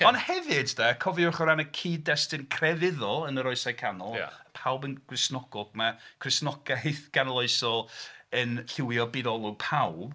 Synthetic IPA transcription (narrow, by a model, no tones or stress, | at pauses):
ɔnhɛvɨddakʰɔviʊrχəɾanakʰiːdːɛstɨnkʰrɛvɪðɔənəɾɔɨsajkʰanɔlˠja̰əpʰawbənɡ̥rɪsnɔɡ̥ɔɡ̥makʰrɪsnɔɡ̥ajθɡ̥anəlˠoɨsɔənɬɪwjɔbidɔlˠʊɡ̚pʰawb̥